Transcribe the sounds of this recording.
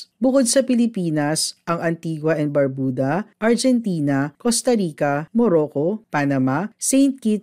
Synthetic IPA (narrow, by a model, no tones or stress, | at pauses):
bʊkod̪̚sɐpɪlɪpiːnɐsʔɐŋɐnt̪iːɡwɐʔɛnbɐɹbuːd̪ɐʔɐɹd͡ʒɛnt̪iːnɐkost̪ɐɾiːkɐmoɾoːkopanɐmasɛjnt̪̚kit̪̚